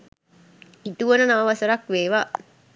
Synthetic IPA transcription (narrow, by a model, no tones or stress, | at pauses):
hit̪uʋənənaʋəʋasəɾakʋeːʋa